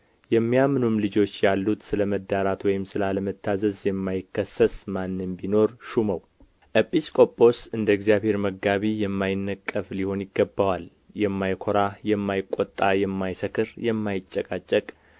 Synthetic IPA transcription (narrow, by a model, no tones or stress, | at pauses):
jɛmːijamːɨnumlɨd͡ʒo̞t͡ʃːjalːut̪sɨləməd̪ːaɾat̪wɔjɪmsɨlaləmət̪ʰːazəzjɛmːajɪkːəsːəsmanːɨnbino̞ɾʃuməw | ʔəpʼːiskʼo̞pʼːo̞sɨnd̪əɡzjaβhe̞ɾməɡaβijɛmːajɪnːəkʼːəfliho̞njɪɡːəbːawal | jɛmːajkʰo̞ɾajɛmːajɪkʼːot̪ʼːajɛmːajsəkʰɨɾjɛmːajɪt͡ʃʼːɛkʼat͡ʃʼːəkʼ